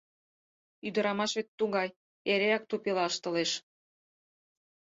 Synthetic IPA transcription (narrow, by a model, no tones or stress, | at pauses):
yd̪ə̆ɾɑmɑʃβet̪ːuɣɑj | eɾeɑk̚t̪upelɑʃt̪ə̆leʃ